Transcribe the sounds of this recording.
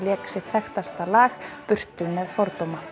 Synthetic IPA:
ljɛːksɪt̪θɛxt̪ast̪alaːxpʏr̥t̪ʏmːɛðfɔɾt̪owma

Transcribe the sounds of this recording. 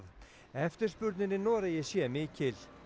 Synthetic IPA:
ð | ɛft̪ɪɾ̥spʏɾt̪nɪnːɪnɔːɾajɛɣsjɛːmɪːcʰɪl

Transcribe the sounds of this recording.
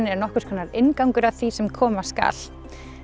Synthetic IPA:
nɛɾnɔhkʏɾ̥kʰvɛnːaɾɪnkawŋkʏɾaðθvisɛmkʰɔːmaska̰ːl

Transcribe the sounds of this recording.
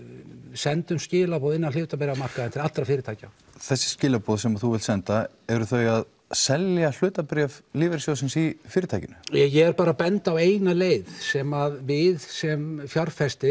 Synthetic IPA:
sɛnt̪ʏmscɪːlapɔðɪnːanlʏːt̪apɪɾjamar̥kaðɪnt̪ʰɪlat̪ɾafɪːɾɪt̪ʰaːjca | θɛsːɪ̥scɪːlapɔːðsɛmaθuvɪlt̪sɛnt̪a | ɛɾʏθœjað | sɛljal̥ʏːt̪apɾɛvliːvɪɾsjowsɪnsifɪːɾɪt̪ʰaːjcɪnʏɛjɛɛɾpaːɾapɛnt̪aweːjnaleːjðsɛmaðvɪðsɛmfjaɾ̥fɛst̪ɪ

